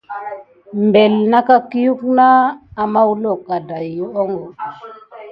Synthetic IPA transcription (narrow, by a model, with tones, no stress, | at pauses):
mbe˨lna˦ka˦ki˦ju˦knaː˦˨ma˦wlo˦˨ka˨da˨jːu˦o˦ŋɡo˨